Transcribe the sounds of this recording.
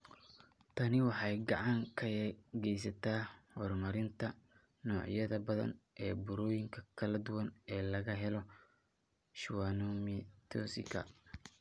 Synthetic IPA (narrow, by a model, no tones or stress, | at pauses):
t̪ʰɐnɪwɑħɑjɡɑʕɑŋkʰɐɣɛjs̬ɐt̪ʰaːhɔrmɐɾɪnt̪ʰɐ | nɔːʕjɐðɐbɐðɐ̰nʔɛːbʊɾɔːjɪŋkʰɐkʰɐlɐd̪ʊwɐnɛːlɐɣɐɦɛlɔ | ʃɪwaːnɔmit̪ʰɔsɪ̰kʰɐ̰